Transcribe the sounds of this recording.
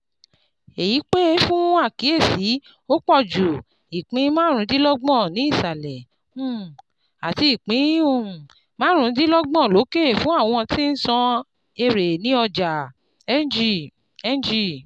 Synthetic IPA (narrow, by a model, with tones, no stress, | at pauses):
e˨ji˨˦k͡pe˦fũ˦a˦˨ki˨˦e˦˨si˨˦ | o˦k͡pɔ˦˨d͡ʒu˨ | i˨k͡pĩ˨˦mãː˦ɾ̃ũ˧˦di˦lɔ˦ɡ͡bɔ̃˦˨nĩ˨˦i˦˨sa˨lɛ˨˦˨ | a˨ti˧i˨k͡pĩ˨˦o˨ | mãː˦ɾ̃ũ˧˦di˦lɔ˦ɡ͡bɔ̃˦˨lo˨˦ke˦˨fũ˨˦a˦˨w̃ɔ̃˧ɔ̃˧ti˦n̩˦sɔ̃˧ | e˧ɾe˨nĩ˨˦ɔ˧d͡ʒa˨ | ɛ˦d͡ʒi˦˨ | ɛ˦n˦d͡ʒi˦˨